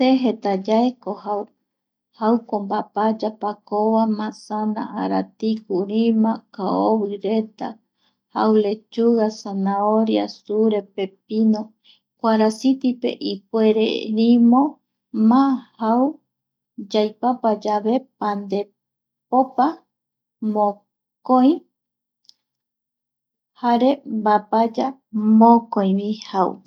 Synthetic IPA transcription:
seɦet̪ad͡ʒaekohaw | hawkombapad͡ʒapakoβamãsana̰ʔaɾat̪ikuɾimãkaoβɨɾet̪a̰ | hawle̞t͡ʃuɣasanaoɾja̰suɾepep̚ino | kʷaɾasit̪ipḛʔipweɾḛnĩmõ | mãhaw | d͡ʒajpapad͡ʒaβe̞pand̪e̞ | popa | mõ | koj̃ | haɾebapad͡ʒa | mõkõĩβihaw̰

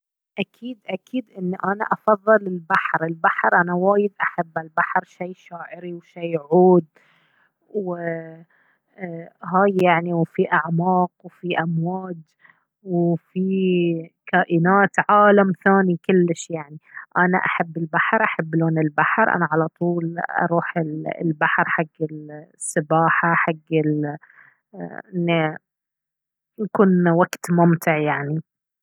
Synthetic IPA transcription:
ʔakʰiːd̪ʔakiːd̪ʔɪnːiʔana̰ʔɑfɑðˤːɨlɪlbaħɾɪlbaħɾʔanawaːjɪd̪ʔaħabːalbaħɾʃiːʃaːʔɪɾiwʃiːʕuːd̪̚ | w | ɦaːjːaʕniwfiʔaʕmɑːqwfiʔamwaːd̪ | wfi | kaːʔɪnaːt̪ʕaːlamθaːnikɪlːɪʃjaʕniʔana̰ʔaħabːɪlbaħɾʔaħabːloːnɪlbaħɾʔa̰naʕalat̪ˤuːlʔɑ̰ɾˤuːħɪllbaħɾħaɡːɪlsːɪbaːħaħaɡːɪl | ʔɪnːi | jakuːnwaɡt̪mʊmt̪ɪʕjaʕni

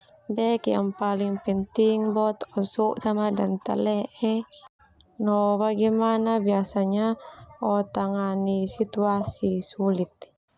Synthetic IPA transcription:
bɛkja̰ŋpaliŋpɛnt̪iŋbɔt̪ɔsuʔdamadant̪a̰lɛʔɛ | nɔbaɡɛmanabiasaɲaɔt̪aŋanisit̪uasisulit̪̚

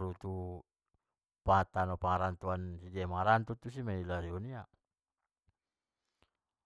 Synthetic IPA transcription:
ɾut̪u | paŋat̪anɔpaŋaɾant̪uansidiamaŋaɾant̪ut̪us̬imailaɾiɔnia

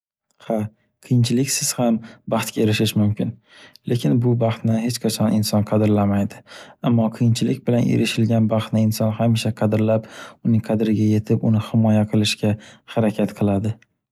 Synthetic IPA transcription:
ha | qʰɨjɪnt͡ʃʰɪlɪkʲsɪz̥hambɑχt̪̚kʲaeɾɪʃɪʃmʊmkʲɪn | lekʲʰɪnbʊbɑχt̪nɪhet͡ʃqʰɑt͡ʃʰɒnɪnsɒnqʰɑd̪ɪɾlamajd̪ɪamːɒqʰɨjɪnt͡ʃʰɪlɪk̚ʲbɪlanʔḛɾɪʃɪlɡʲanbɑχt̪nɪɪnsɒnhamɪʃaqʰɑd̪ɪɾlapʊnɪŋqʰɑd̪ɪɾɪɡʲaje̞t̪ʰɪpʊnɪhɪmɒjaqʰɨlˠɪʃkʲahaɾakʲʰat̪qʰɨlˠad̪ɪ

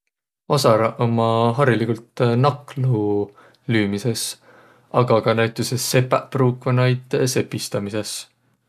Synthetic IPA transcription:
osɑɾɑʔomɑɦɑɾilikult̪nɑklu | lyːmise̞s | ɑɡ̥ɑkɑnæjt̪ːˑuse̞sːe̞pːˑæpruːkvɑnɑjd̪̥se̞pːist̪ɑmise̞s

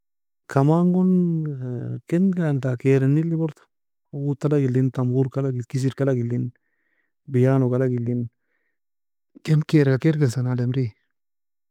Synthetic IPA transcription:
kʰamaŋɡon | kenɡant̪akeɾenːilibɔɾt̪o̥ | ut̪ːalaɡilːint̪ambuɾkalaɡikis̬iɾkalaɡilːin | bijaːnokalaɡilːin | kɛmkeːɾkakeɾɡesanalemɾi

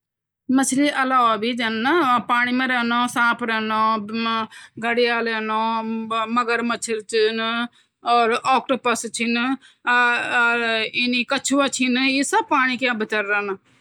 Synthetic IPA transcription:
mət͡ʃʰliːʔəlaːʋabiːd͡ʒənːapaːɽ̃iːmẽɾɛːnõːsãːpʰɾɛːnõː | ɡəɽɪjaːlɛːnõːməɡəɾmət͡ʃʰəɾt͡ʃn | ɔːɾɔːk̚ʈəpəst͡ʃʰin | ɪniːkət͡ʃʰuːaːt͡ʃʰiniːsəb̚paːɽ̃iːkjãːbɪt̪əɾːənː

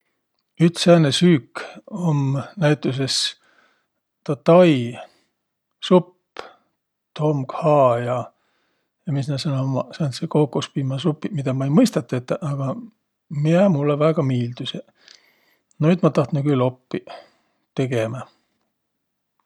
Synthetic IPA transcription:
yt̪sæːnesyːkːomnæjt̪ːˑus̬e̞s | t̪ɑt̪ɑj | supː | t̪ʰo̞mɡhɑːjɑ | jɑmisnɑsɑnomɑsɑnsekokːˑuspiːmɑsupːimid̪̥ɑmɑejmɤjst̪ɑt̪ːˑɑet̪ːʔɑɡ̥ɑ | miemulːevæːɡ̥ɑmiːld̪use | noyt̪mɑt̪ɑht̪nukylːo̞pːi | t̪e̞ɡ̥emæ

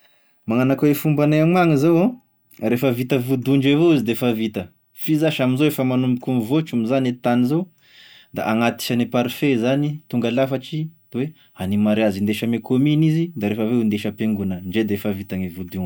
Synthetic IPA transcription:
maŋanakawefumbanaaŋmaŋizowã | ɾefəvit̪əvud̪uɳɖ͡ʐevoizid̪eefavit̪ə | fizaʃaminzoefəmanumbukumivot͡ʃumizanet̪anizow | d̪a̰ʔaŋat̪i̥ʃanipaɾfezanit̪uŋɡalafaʈ͡ʂi̥ | we | animaɾeazind̪eʃəmekʰominizid̪aɾefəveund̪eʃəpeŋɡunəɳɖ͡ʐed̪eefəvit̪aŋivud̪uŋ

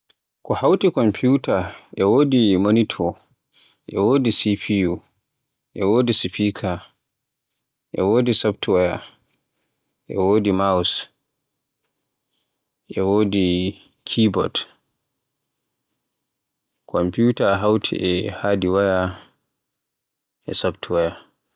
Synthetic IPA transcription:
kɔhawtikɔmpʰutaʔɛwoːdimonitʰɔ | ʔɛ̰woːdisipʰiju | ʔɛwoːdisipikʰa | ʔɛwoːdisaptwaja | ʔɛ̰woːdimaws | ʔɛwoːdi | kʰibɔd | kʰɔmputaɦawtʰḭʔɛhaːdiwaja | ʔɛ̰sabtʰuwaja

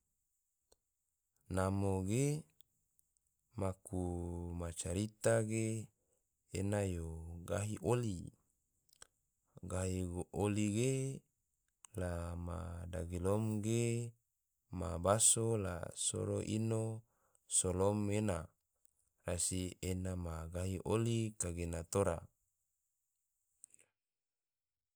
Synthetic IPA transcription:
namoɡe | makumat͡ʃaɾit̪aɡeː | najoɡaɦiʔoli | ɡaɦioliɡe | lama̰daɡilomɡe | mabasola̰so̰ɾo̰ʔino | solomena | rasienamaɡaɦiʔolikaɡenat̪oɾa̰

